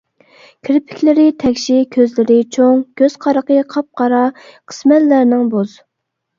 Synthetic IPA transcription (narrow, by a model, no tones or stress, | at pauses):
kʲʰɾɪpʰɪ̥kʲlɪɾɪt̪ʰɛkʲʃikʲʰøzlɪɾɪt͡ʃʰoŋkʲʰøz̥qʰɑɾəqəqʰɑp̚qɑɾɑqʰə̥smɛt̪læɾnɪŋboz